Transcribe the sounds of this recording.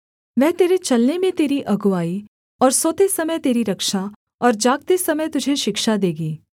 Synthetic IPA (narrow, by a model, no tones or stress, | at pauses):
ʋɛɦt̪eːɾet͡ʃɐlnemẽt̪eːɾiʔɐɡʊʋaːi | ɔːɾsoːt̪esɐməjt̪eːɾiɾɐkʃa | ɔːɾd͡ʒaːɡ̚t̪esɐməjt̪ʊd͡ʒʱeʃɪkʃad̪eːɡiː